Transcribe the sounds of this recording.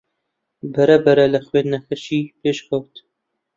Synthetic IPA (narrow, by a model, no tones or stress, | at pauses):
bɐɾɐbɐɾɐlɐxweːnd̪nɐxɐʃiːpeːʃkʰɐwt̪